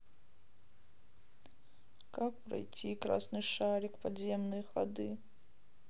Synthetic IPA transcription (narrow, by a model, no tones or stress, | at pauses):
kak̚pɾɐ̰jt͡sʲikɾa̰snɨʂaɾʲɪkpadzʲemnɨjxa̰d̪ɨ